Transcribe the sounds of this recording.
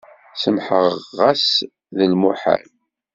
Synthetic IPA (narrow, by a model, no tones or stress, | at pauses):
səmħəʁʁːæs | ðəlmuħa̰l